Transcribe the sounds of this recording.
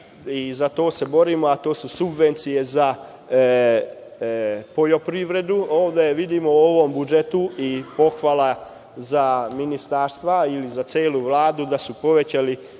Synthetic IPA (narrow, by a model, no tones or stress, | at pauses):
izat̪o̞ːse̞bo̞ɾimoat̪o̞ːsusubʋe̞nt̪sije̞za | po̞ʎo̞pɾiʋɾe̞d̪uo̞ːʋd̪eʋid̪imo̞oʋo̞mbud͡ʒet̪uipo̞xʋala | zaminist̪aɾst̪ʋailizat̪seːluʋlˠaːd̪ud̪asupo̞ʋe̞t͡ɕali